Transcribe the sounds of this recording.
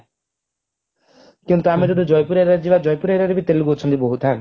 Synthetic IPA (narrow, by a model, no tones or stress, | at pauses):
kint̪uamiɾuɖud͡ʒɔjpuɾaɾad͡ʒibad͡ʒɔjpuɾaɾaɾebit̪eluɡot͡ʃʰɔnt̪ibɔɦut̪ʰan